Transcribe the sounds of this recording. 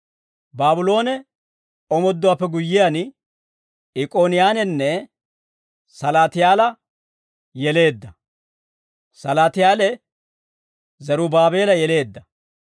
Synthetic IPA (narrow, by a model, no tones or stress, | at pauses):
baːbʊlo̞ːnɛ | ɔmɔd̪ːʊwaːpːɛɡʊjːɪjan | ɪkʼoːnɪjaːnɛnːɛ | sɐlaːt̪ɪjaːlɐ | jɛle̞ːd̪ːɐ | sɐlaːt̪ɪjaːlɛ | zɐɾʊbaːbe̞ːlɐjɛle̞ːd̪ːɐ